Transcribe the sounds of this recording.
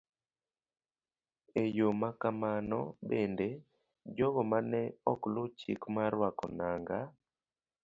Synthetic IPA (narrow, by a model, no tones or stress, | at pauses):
ejomakamanɔbende | d͡ʒɔɡɔmanɛɔklʊt͡ʃḭkmaɾwakɔ̰naŋɡa